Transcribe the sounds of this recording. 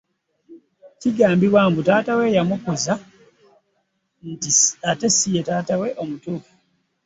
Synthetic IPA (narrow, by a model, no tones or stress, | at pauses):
ciɡaːmbiβwaːmbutaːtawe̞jamukuza | ntiate̞sijetaːtawe̞ʔo̞mutuku̥